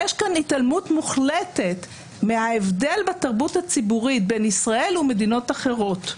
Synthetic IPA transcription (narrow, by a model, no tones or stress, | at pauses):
jeʃkanitalmutmuχlete̞t | meaevde̞lbataʁbuthat͡sibuʁit̚benisʁae̞lume̞dino̞taχe̞ʁo̞t̪